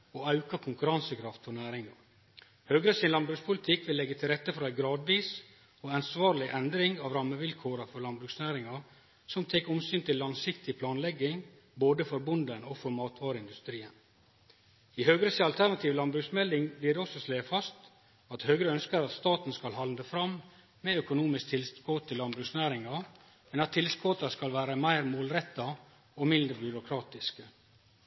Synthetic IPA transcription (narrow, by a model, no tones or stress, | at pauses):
oːɑʉkɑkʰʊŋkʉɾɑnsəkʰɾɑft̪fɔɳæːɾɪŋɑɾ | høːɡɾəsɪnlɑnbɾʉːkspʰʊlɪt̪ʰɪkʋɪlːɛɡːət̪ʰɪlɾɛt̪ːəfɔɾæɪɡɾɑːd̪ʋiːs | ɔɑnsʋɑːɾlɪʔɛnd̪ɾɪŋɑːʋɾɑmːəʋɪlkʰoːɾəfɔɾlɑnbɾʉːksnæːɾɪŋɑ | sɔmt̪ʰeːkɔmsyːnt̪ʰɪlːɑŋsɪkt̪ɪpʰlɑːnlɛɡːɪŋ | boːd̪əfɔɾbʊnd̪ənɔfɔɾmɑːt̪ʰʋɑːɾəɪnd̪ʉst̪ɾiːən | ɪhøːɡɾəsɑlt̪ʰæɳɑt̪ʰiːʋlɑnbɾʉksmɛld̪ɪŋbliːɖɛɔsɔsleːfɑst̪ | ɑt̪høːɡɾəœnskəɾɑt̪st̪ɑːt̪n̩skɑlɦɑnd̪əfɾɑmː | eœkʊnuːmɪsk̚t̪ʰɪlskoːt̪ʰːəɪlɑnbɾʉksnæːɾɪŋɑ | mɛnɑt̪ʰːɪlskoːt̪ɑskɑlʋæːɾəmæɪɾmoːlɾɛt̪ːɑ | ɔmɪnd̪ɾəbʏɾʊkʰɾɑːt̪ɪskə